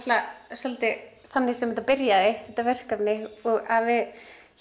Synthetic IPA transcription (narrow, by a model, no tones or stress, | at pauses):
t̪lasɔlat̪ɪθanːɪsɛmɛt̪apɪɾjaðɪθɛht̪ːavɛr̥kapnɪɔɣavɪð